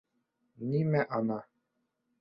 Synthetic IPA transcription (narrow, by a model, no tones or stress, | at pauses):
nimɛʔana